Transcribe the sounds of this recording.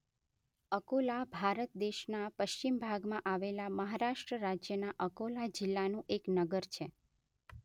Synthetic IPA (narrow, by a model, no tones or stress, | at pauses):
əkolabʱaɾət̪̚d̪eʃnapəʃt͡ʃimbʱaɡmãʔaʋelaməɦaɾaʃʈɾəɾad͡ʒjənaʔəkolad͡ʒɪlːanũʔeknəɡəɾt͡ʃʰe